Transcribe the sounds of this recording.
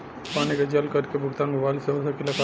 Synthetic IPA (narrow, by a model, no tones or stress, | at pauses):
paːniked͡ʒɐlkɐɾkebʱʊɡt̪aːnmʊbaːɪlseɦosakɪlaka